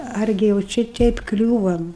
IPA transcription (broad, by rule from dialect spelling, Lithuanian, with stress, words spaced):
ˈɐrʲɡʲɪ jɛʊ ˈt͡ʃʲɛ ˈtʲɛɪp ˈklʲuːʋɐm